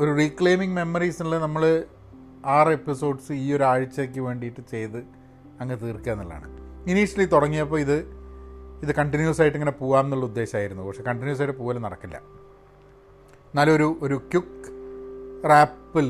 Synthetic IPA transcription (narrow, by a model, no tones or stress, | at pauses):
oɾurikɭe̞ːmiŋme̞mːɐrisnilɨnɐmːɐɭɨ | aːre̞pːiso̞ːɖsɨiːo̞ɾuaːɻit͡ɕːɐek̬ʲːɨʋe̞ːɳɖijiʈːɨt͡ɕe̞jt̪ɨ | ɐŋːɐnet̪iːrkːaːnːilːa̰ːɳɨ̰iniʂɐlit̪uɽɐŋːijɐpːoːiðɨ | iðɨkɐɳʈinjusaːjiʈːiŋːɐne̞puːʋaːmnːuɭːɐud̪ːe̞ːɕɐmaːjiɾunːupɐkʂe̞kɐɳʈinjuːsaːjiʈːɨpuːʋɐlnɐɽɐkːilːɐ̰ | nːaːlːo̞ɾuʔoɾukjuk | raːpːil